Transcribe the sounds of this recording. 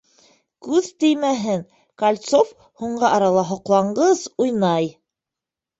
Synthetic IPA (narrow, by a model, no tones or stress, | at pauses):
kʉðt̪ɘ̆jmæɦɘŋ | kɐlʲt̪sof | huɴɢɑʔɑɾɑlˠɑɦŏqlˠɑɴɢɤzujnɑj